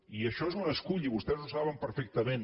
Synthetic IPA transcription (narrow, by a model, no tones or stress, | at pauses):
iəʃɔezunəskuʎiβust̪ɛzusaβəmpəɾfɛk̚t̪əmen